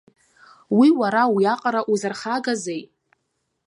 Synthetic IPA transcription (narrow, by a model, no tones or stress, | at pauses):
wiwaɾawiaqʼaɾaʔuzarχaɡazejtʼ